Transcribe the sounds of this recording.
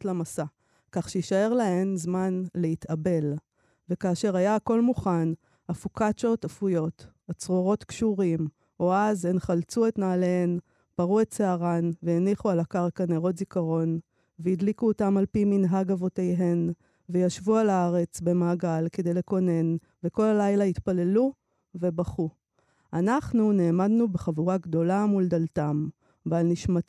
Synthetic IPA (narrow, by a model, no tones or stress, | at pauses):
tlamasa | kaχʃejiʃae̞ʁlae̞mzmanleit̪abe̞l | ve̞kaːʃe̞ʁajaːko̞lmuχan | afukat͡ʃo̞tafujo̞t̪ | at͡sʁo̞ʁo̞t̪kʃuʁim | oazenχalt͡sue̞tnaːlehen | b̥aʁuett͡seaʁanvejeniχualakaʁkaneʁo̞t̪zikaʁo̞n | veid̪likuotamalpiminɦaɡavo̞tejɦe̞n | vejaʃvualaaʁe̞t͡sbe̞maːɡalke̞d̪e̞jle̞ko̞ne̞n | ve̞ko̞lalajlait̪pale̞lu | ve̞baχu | anaχnune̞ːmadnubeχavuʁaɡd̪o̞lamuldaltam | valniʃma